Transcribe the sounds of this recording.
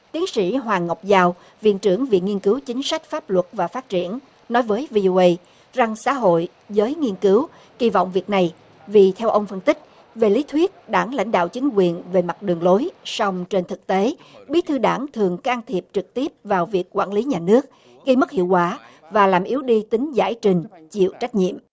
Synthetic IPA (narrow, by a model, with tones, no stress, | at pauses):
t̪i˨˦əŋsḭ˧˥ɦwaː˨˩ŋːə˨˩wk͡p̚zaː˧w | vḭ˧˨nt͡ɕɨ˧˩əŋvḭ˧˨ŋi˧ənkɨ˨˦wt͡ɕï˨˦ŋ̟sa˦˥k̟̚faː˦˥p̚lwə˨˩t̚vaː˨˩faː˦˥t̚t͡ɕḭ˧˩ənː | ɔ˨˦jvəː˨˦jvi˧ʔo˧ʔə˧j | za˨˩ŋsa̰ː˧˥˦ɦo̰˧˨j | zəː˨˦jŋi˧ənkɨ˨˦w | ɣi˧vɔ̰˧˨wŋ͡mvi˨˩ək̚na˨˩j | vi˨˩t̪ʰɛ˧wʔə˧wŋ͡mfə˧nt̪ï˦˥k̟̚ | ve˨˩li˨˦t̪ʰwi˦˥ət̚ɗaː˧˩ŋla̰˧˥jŋ̟ɗa̰ː˧˨wt͡ɕï˨˦ŋkwi˨˩ənve˨˩ma˨˩t̚ɗɨ˨˩əŋlo˨˦jsa˧wŋ͡mt͡ɕe˧nt̪ʰɨ˨˩k̚t̪e˨˦ɓi˨˦t̪ʰɨ˧ɗaː˧˩ŋt̪ʰɨ˨˩əŋkaː˧ŋt̪ʰi˨˩əp̚t͡ɕɨ˨˩k̚t̪i˦˥əp̚vaː˨˩wvi˨˩əkːwa̰ː˧˥˩nli˨˦ɲaː˨˩nɨ˦˥ək̚ | ɣə˧jmə˦˥k̚hḭ˧˨əwkwaː˧˩˦ | vaː˨˩laː˨˩mʔi˨˦wɗi˧t̪ï˨˦ŋ̟za̰ː˧˥˩jt͡ɕï˨˩ŋ̟t͡ɕḭ˧˨əwt͡ɕa˦˥k̚ɲḭ˧˨əmʔ